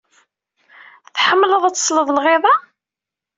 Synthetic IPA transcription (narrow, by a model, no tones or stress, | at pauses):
θħəmːləðˤæt͡sːsˤləðˤlʁɪðˤɑ